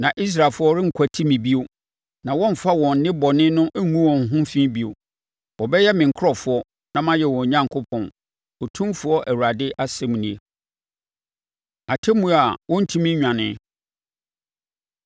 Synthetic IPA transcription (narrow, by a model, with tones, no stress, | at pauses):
nã˨ʔi˦s̬ɾa˨lfʊ˦ɔ˦ɾɪ˦ŋ̩˨kʰæ˨tʰi˦mĩ˨bi˦o˦ | nã˨wɔ̃˦m̩˨fa˦wɔ̃˨n˨˦nɪ̃˦bɔ˨nɪ̃˦nʊ̃˦ʔæ˦ŋũ˦wɔ̃˨n̩˨ɦʊ̃˦fĩ˦bi˦o˨ | wɔ˨bɛ˦jɛ˦mɪ̃˨ŋ̩˨kʰʊ˦ɔ˨fʊ˦ɔ˦ | nã˨mã˦jɛ˨wɔ̃˨ɲã˦ŋkʰo˦pʰɔ̃˨n | ɔ˨tʰũ˦mfʊ˨˦ɔ˦ʔæ˨wu˨ɾa˨dɪ˦ʔa˦sɛ˦m˨nĩ˦e˨ | a˨tʰɛ˦mũ˦˨a˨wɔ̃˦n̩˦tʰĩ˦mĩ˦ɲᶣã˨nɪ̃˦